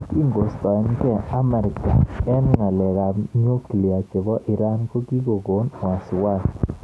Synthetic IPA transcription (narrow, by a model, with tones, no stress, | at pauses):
ki˦ŋɡo˨stɔ˨ɪ˨˦nkɛ˦˨a˦mɛ˨ɾɪ˨ka˨ɛ˦n˦ŋa˨lɛ˨ɣa˨ɲo˦ki˨li˨a˨t͡ʃe˨βɔ˦ʔɪ˨ɾa˦nko˦ɡi˦ɡo˨ɡo˨˦n˨a˨sɪ˨wa˦˨s